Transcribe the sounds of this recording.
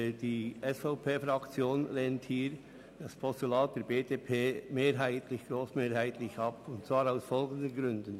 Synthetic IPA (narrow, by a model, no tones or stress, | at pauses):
d̥iːʔɛsfaʊpʰeːfɾɑkt͡sjoːnleːnthiːɾ | d̥ɑspʰɔstulaːt̚d̥ɛːɾbeːdeːpʰeːmeːɾɦæɪtlɪçɡ̥ɾoːsmeːɾhaɪtʰlɪçɑpʊntt͡sv̥aːɾaʊsfɔlɡən̩dənɡɾʏndən